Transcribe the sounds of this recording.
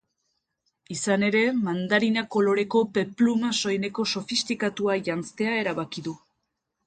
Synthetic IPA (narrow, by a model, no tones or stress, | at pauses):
isane̞ɾe̞mand̪aɾinako̞lo̞ɾe̞ko̞pe̞plumaso̞jne̞ko̞so̞fist̪ikat̪uaʝant͡st̪e̞ae̞ɾaβakiðu